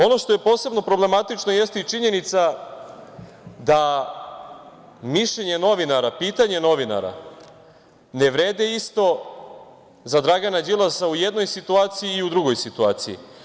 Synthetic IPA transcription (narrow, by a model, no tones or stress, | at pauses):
o̞no̞ʃt̪oje̞po̞ːse̞bno̞pɾo̞ble̞mat̪it͡ʃnojest̪it͡ʃiɲe̞nit̪sa | d̪a | miʃʎe̞ɲe̞no̞ʋinaɾapiːt̪aɲe̞no̞ʋina̰ɾa̰ | ne̞ʋɾe̞ːd̪eist̪o̞ | zad̪ɾaɡanad͡ʑilˠasaujed̪no̞jsit̪uaːt̪sijiːud̪ɾuɡo̞jsit̪uaːt̪sijḭ